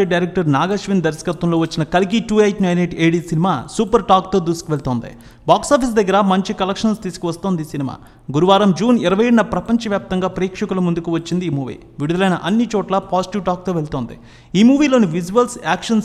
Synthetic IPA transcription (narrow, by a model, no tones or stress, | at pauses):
eɖɐjɾɛk̚ʈɐɾnaːɡɐʃʋind̪ɐɾisɐ̥kɐt̪ʋɐmlo̞ːʋɐt͡ʃːinɐkɐlik̬iʈuːejʈnɐjneʈeːɽiːsinimaːsuːpɐɾʈaːk̚t̪oːd̪uːsu̥kuʋe̞ɭt̪oːnd̪ḭ | baːksaːpʰis̬d̪ɐɡːɐɾɐmɐɲt͡ʃikɐlɐkʂɐnst̪iːsu̥kuʋɐst̪oːnd̪isinima̰ː | ɡuɾuʋaːɾɐmd͡ʒuːniɾɐʋɐjeɽnɐpɾɐpɐɲt͡ʃɐʋjaːp̚t̪ɐŋɡaːpɐɾiːkʂɐkulɐmund̪ukuʋɐt͡ʃːind̪iːmuːʋḭː | ʋiɽud̪ɐlɐjnɐʔɐnːit͡ʃɔːʈlapaːsiʈiʋʈaːk̚t̪o̞ːʋe̞ɭt̪oːnd̪ḭ | iːmuːʋiːlo̞ːniʋid͡ʒuʋɐlsaːkʂɐns